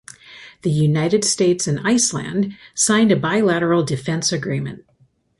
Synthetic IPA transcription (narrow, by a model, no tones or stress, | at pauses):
ðɨjʉnaɪɾɨd̥steɪtsɨ̃naɪslæ̰̃nd̥sãɪ̃ndɨbaɪlæɾə˞l̩ˠdɨfɛ̃nsɨɡɹĩmɨ̰̃nt̚